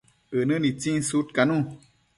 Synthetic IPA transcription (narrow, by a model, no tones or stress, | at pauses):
ənɨ̃nĩt͡sĩsutkanũ